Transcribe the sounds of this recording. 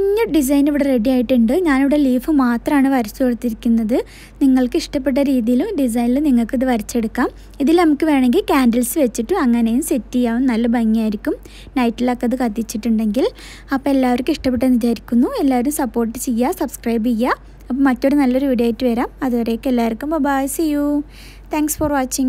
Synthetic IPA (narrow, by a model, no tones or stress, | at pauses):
iɲːɐɖis̬ɐjniʋiɽere̞ɽijaːjiʈːuɳɖɨɲaːniʋiɽe̞liːfɨmaːt̪rɐmaːɳɨʋɐɾit͡ɕːukoɽut̪ːiɾikʲːunːɐðɨ | niŋːɐɭkɨiʂʈɐp̬ːe̞ʈ̬ːɐɾiːðijilumɖis̬ɐjniluniŋːɐɭkɨiðɨʋɐɾit͡ɕːe̞ɽukːaːm | iðilnɐmukːɨʋe̞ːɳe̞ŋɡilkʲaːndɐlsɨʋet͡ɕːiʈːɨɐŋːɐnejumsetːijːaːʋumnɐlːɐbɐŋːijaːjiɾikʲːum | nɐjtːilɐkːeɐðɨkɐt̪ːit͡ɕːiʈːuɳɖe̞ŋɡil | ɐpːoːe̞lːaːʋɐɾkːɨiʂʈɐp̬ːeʈːɐnit͡ɕaːɾikʲːunːue̞lːaːʋɐɾumsɐpːo̞ːrʈːɨt͡ɕe̞jːasɐbskrɐjbijːa | ɐpːomɐtːo̞ɽunɐlːo̞ɾuʋiɽijaːjitːɨʋeɾaːmɐðuʋɐrejokːelːaːʋɐrkːumbobaːjɐsejːu | t̪ʰaːŋksforʋaːt͡ɕːiŋ